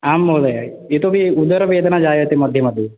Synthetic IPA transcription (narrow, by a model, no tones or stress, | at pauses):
aːmːowd̪ɐja | et̪obiud̪ːɐɾɐʋeːd̪ɐnad͡ʒaːjɐt̪emɐd̪ʱjɐmɐd̪ʱjɐ